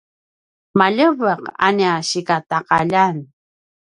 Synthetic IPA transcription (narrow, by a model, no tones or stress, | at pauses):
maʎəvəqa̰niaɕikataqaʎan